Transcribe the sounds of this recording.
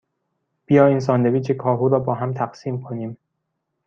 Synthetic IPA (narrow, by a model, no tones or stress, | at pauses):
b̥ijɒːiːns̬ɒːnd̪eviːt͡ʃʰekʰɒːɦuːɾɒːbɒːɦæmt̪ʰæqsiːmkʰoniːm